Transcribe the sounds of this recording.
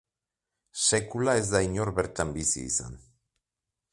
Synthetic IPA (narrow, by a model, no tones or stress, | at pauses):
se̞kulae̞zd̪aiɲo̞ɾβeɾt̪ambisḭːsa̰n